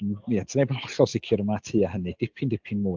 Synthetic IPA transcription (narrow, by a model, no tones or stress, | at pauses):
niatʰənejbanhɔɬɔlˠsɪkʰjʊɾəmatʰiːahənɨd̥ɪpʰindɪpʰinmʊː